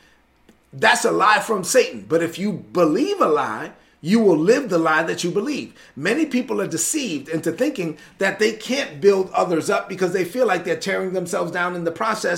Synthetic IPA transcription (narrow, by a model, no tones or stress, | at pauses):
ðætsəlaɪfɹʌ̃mseɪʔn̩bʌɾɨfjɨbəlivəla̰ɪ | jɨwɪlˠlɪvðəlaɪðɨt͡ʃɨbəliv | mɛnipipl̩ˠə˞dɨsivdɪ̃ntɨθɪ̃ŋkɪ̃ŋ | ðɨt̪̚ðeɪkʰæ̃nb̥ɪlˠdʌðə˞zʌp̚b̥ɨkʌzðeɪfilaɪk̚ðə˞tʰɛɹɪ̃ŋðə̃msɛlˠvzdãʊ̃nɨ̃nðəpʰɹ̥ɑsɛ